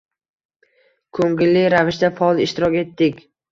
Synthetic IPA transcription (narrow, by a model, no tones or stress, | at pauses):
kʰɵŋɡʲɪlːɪɾavɪʃd̪afɒɒlˠɪʃt̪ɪɾɒkʲe̞t̪ːɪkʲ